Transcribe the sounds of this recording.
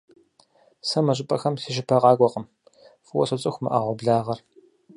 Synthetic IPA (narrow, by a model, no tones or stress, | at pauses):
sɐmɐʒʼɪpʼɐxɐmsiʃ̬ɪpʰɐʁɑːɡʷʼɔqəm | fɨwɔ̰sɨt͡sʼɨxʷmɨ̰ʔɐʁʷɔbɮaːʁɐr